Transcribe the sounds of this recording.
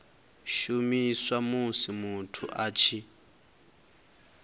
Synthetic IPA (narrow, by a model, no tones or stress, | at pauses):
ʃumiswamusimutʰuʔaːt͡ʃʰi